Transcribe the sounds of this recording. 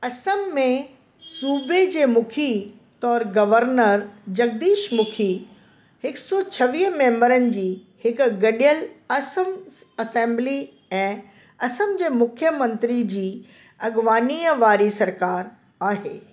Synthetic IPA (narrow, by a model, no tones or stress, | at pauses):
ɐsəmːẽ | suːbed͡ʑeːmʊkʰi | t̪ɔːɾɡɐʋəɾnəɾd͡ʑɐɡ̚d̪iːʃmʊkʰi | hɪksɔːt͡ɕʰɐʋiːɦmẽːmbəɾənɪ̆d͡ʑiː | hɪkɡɐɗijəlɐsəmɐsẽːmbli | ɛ̃ː | ɐsəmd͡ʑeːmʊkʰjəmɐ̃nt̪ɾid͡ʑiː | ɐɠʋaːniːəʋaːɾisɐɾkaːɾ | aːɦeː